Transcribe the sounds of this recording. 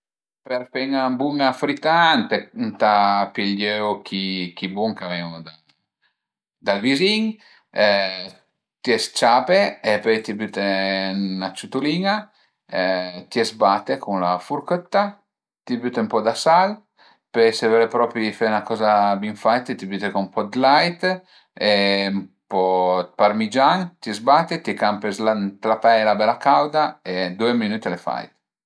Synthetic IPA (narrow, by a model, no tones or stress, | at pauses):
peɾfɛŋambuŋafɾit̪ant̪ent̪apiʎjøwkʰikibuŋkavɛwd̪a | d̪alviziŋ | t̪iɛst͡ʃapeepøjt̪ibyt̪e | nat͡ʃut̪uliːŋa | t̪iɛsbat̪ekunlafuɾkøt̪ːa | t̪ibyt̪eumpɔd̪asal | pøjsevɛɾepɾɔːpɾifenakɔːzabiɱfajt̪et̪ibyːt̪ekompɔd̪lajt̪ | eumpɔpaɾmid͡ʒaŋt̪iɛzbaːt̪ːet̪ikampezlant̪ɾapɛjlabɛlakawd̪aed̪ueminut̪elefa̰jt̪